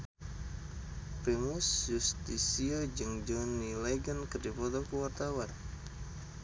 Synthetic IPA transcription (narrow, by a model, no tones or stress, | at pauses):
pɾimusjust̪isiad͡ʒɨŋd͡ʒɔnileɡankərdipɔt̪ɔkuwart̪awan